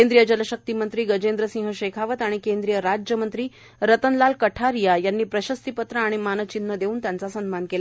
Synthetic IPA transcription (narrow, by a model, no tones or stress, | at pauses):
end̪ɾijəd͡ʑələɕək̚t̪imənt̪ɾiːɡəd͡ʑend̪ɾəsĩŋɦəɕekʰaʋət̪aɽ̃ikend̪ɾijəɾad͡ʑjəmənt̪ɾiː | ɾət̪ənlalkəʈʰaɾijajanːiːpɾəɕəst̪ipət̪ɾaːɽ̃imanət͡ɕinːəd̪euːnt̪jant͡sasənmankela